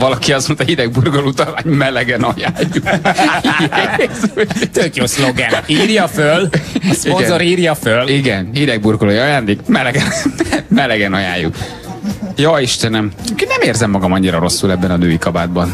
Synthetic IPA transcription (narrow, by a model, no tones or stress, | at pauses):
vɒlɒkiɒsmont̪ɑjid̪ɛɡ̚burkolut̪ɒmaːɲmɛlɛɡɛnɒjaːjːukisot̪økjosloɡɛniːrjɒfølspionɡɛzoɾiːrjɒføliɡɛnhid̪ɛɡ̚burɡoloːjɒjaːnd̪eːkmɛlɛɡɛnmɛlɛɡɛnɒjaːjːṵk | joiʃt̪ɛnɛmkinɛmeːrzɛmːɒɡɒmɒɲːiɾɒɾo̞sːulɛbːɛnɒnøːjikɒbaːd̪bɒn